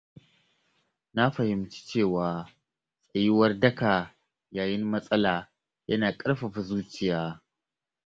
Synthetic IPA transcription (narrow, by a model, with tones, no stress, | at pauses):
na˦ɸɐ˨hɪ˨mt͡ʃi̥˦t͡ʃeː˦˨waː˨ | sʼɐ˨ji˦wɐ˦rdɐ˦ka˨ | jaː˨jɪ˦nmɐ˦sʼɐ˦laː˨ | jɐ˦naː˨kʼɐ˦ɾɸɐ˨ɸa˨zuː˦t͡ʃɪ˦˨jaː˦